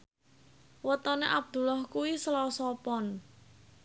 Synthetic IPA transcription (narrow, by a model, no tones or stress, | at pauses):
wət̪ɔneʔab̥̚d̪̥ṳlahkuwisəlɔsɔpɔn